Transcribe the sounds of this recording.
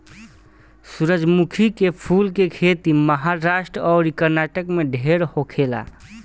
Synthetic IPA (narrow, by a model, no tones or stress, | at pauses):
suɾəd͡ʒmukʰikepʰulkekʰet̪iməɦaɾasʈɾɔːɾikəɾnaʈəkmeɖʱeɾhokʰela̰